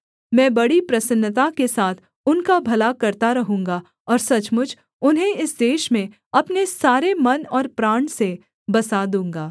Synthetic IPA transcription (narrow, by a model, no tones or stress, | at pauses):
mɛ̃ːbɐɽipɾɐsənːət̪̬akesaːt̪ʰ | ʊnkabʱɐlakɐɾt̪aɾɐɦũːŋɡa | ɔːɾsɐt͡ʃmʊd͡ʒʱ | ʊnɦẽɪsd̪eːʃmẽ | ɐpnesaːɾemɐnɔːɾpɾaːɳse | bɐsad̪ũːŋɡaː